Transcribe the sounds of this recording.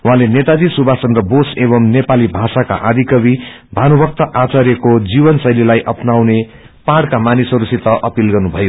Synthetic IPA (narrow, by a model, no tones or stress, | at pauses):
uɦãlenet̪ad̪isubʱasʌnrʌboseβʌmnepalibʱasaka̰ʔad̪ʱikʌbi | bʱanubʌk̚t̪ʌʔat͡saɾjekod͡zibʌnsʌjlilajʔʌpnawne | paɽkamanisʌɾusit̪ʌʔʌpilɡʌrnubʱʌjo